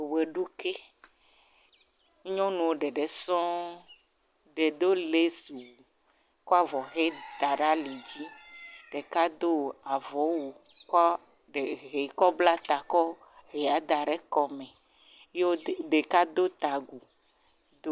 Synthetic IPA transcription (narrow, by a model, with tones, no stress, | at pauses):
we˨ɖu˦ke˦ | ɲɔ̃˦nũ˨wo˦ɖɛ˨ɖe˨sɔ̃˦ | ɖe˨d̪o˦le˦si˨wu˨ | kɔ˦a˦vɔ˨ɣe˦d̪̥a˨ɖa˦le˨d͡ʑi˦ɖ̥e˨ka˦d̪o˦a˨vɔ˨˦wo˨ | kɔ˦ | ɖe˨ɦe˨kɔ˦bla˦t̪a˨kɔ˦ | ɣe˨ja˨d̪a˨ɖɛ˦kɔ˨mɛ̃˨ | je˦o˦ɖe˨ka˦d̪o˦t̪a˨ɡu˨ | d̪o˦